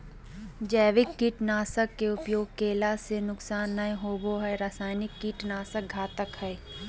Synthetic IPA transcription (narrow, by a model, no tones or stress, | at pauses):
d͡ʒɛːʋɪkːiːʈnaːsəkːeʊpjoːɡ̚keːlasenʊksaːnːəjɦoːboɦɛɾasaːɪnɪkːiːʈnaːsək̚ɡʱaːt̪əkhɛː